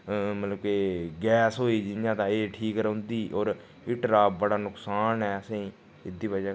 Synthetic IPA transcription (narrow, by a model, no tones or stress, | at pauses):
mət̪ləbkeːɡɛːsɦoːiːd͡ʒɪnjãːt̪ãːeːʈʰiːkːəɾãːnd̪iːʔɔːɾ | ɪʈɾaːbəɽaːnʊksaːnɦɛːəsẽː | ɪd̪iːbad͡ʒaː